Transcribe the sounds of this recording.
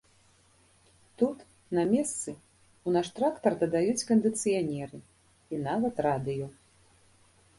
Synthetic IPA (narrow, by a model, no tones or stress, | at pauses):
t̪ut̪ | nɐmʲɛst̪sɨ | unaʂt̪ɾakt̪ɐrd̪ɐd̪ajut͡sʲkɐnd̪ɨt̪sɨjanʲɛɾɨ | inavɐt̪rad̪ɨjɔ